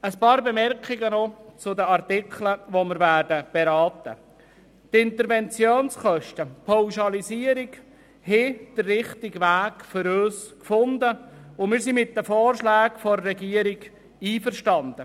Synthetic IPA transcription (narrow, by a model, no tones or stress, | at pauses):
əspɑːɾbemɛrkχɪɡənɔt͡sʊd̪əɑrt̪ɪkʰləʋoməɾværdəb̥eɾɑːtə̰ | t̪ɪnt̪əɾvɛnt͡sjoːnsχœʃtəpʰaʊʃɑlisiːəɾik | hɛd̥ərːɪχtɪɡʋæːkfʏɾøːskfʊndəʊmɪːɾsimɪt̚dəfoːrʃlæːkfɔɾːɛɡiːəɾiɡ | iːfərʃtɑnd̪ə